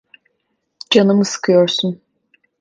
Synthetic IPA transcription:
d͡ʒanɯmɯsɯ̥kʰɯjo̞ɾsun

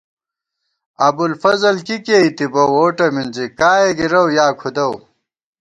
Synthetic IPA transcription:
ɐbulfɐzɐlkikeit̪ibɐwoːʈɐminzikaːeɡiɾɐwjaːkʰud̪ɐw

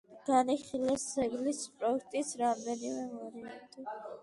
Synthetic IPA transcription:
ɡ̥aniχilɛszɛɡlispʼɾɔuk̚ʰt̪ʼisɾamd̪ɛnimɛmɔɾiɛt̪ʼɔ

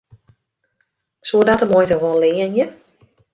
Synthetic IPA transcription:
sudatəmoːjtəʋoənlɪːənjə

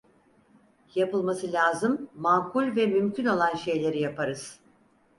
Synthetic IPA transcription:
japɯlˠmasɯlʲaːzɯmːaːkʰulʲvɛmymcʰyno̞lˠanʃe̞jlʲe̞ɾijapʰaɾɯz̥

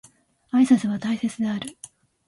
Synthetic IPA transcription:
aisasɨβat̪aise̞t͡sɨd̪e̞aɾɯ̟

